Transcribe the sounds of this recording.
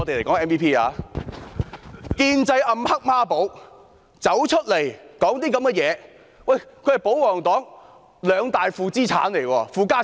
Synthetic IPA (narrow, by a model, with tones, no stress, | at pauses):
ɔ˨˧t̪e˨le˨˩kɔː˨˥ŋɛː˥npiː˥pʰiː˥a̰ː˨˧ | kiː˧nt͡sɐ˧jʔɐ˧mhɐ˥k̚maː˥po˨˥w | t͡sɐ˨˥wt͡ʃʰɵ˥t̚le˨˩jkɔː˨˥ŋt̪iː˥kɐ˨˥mɡɛ˧jɛː˨˧ | wɐ˥˨˩jkʰɵ˨˧˥hɐ˨jpo˨˥wwɔː˨˩ŋt̪ɔː˨˥ŋ | lœː˨˧ŋt̪aː˨jfuː˧t͡siː˥t͡sʰa̰ː˨˥nle˨˩jkɔː˧fuː˨˧kaː˥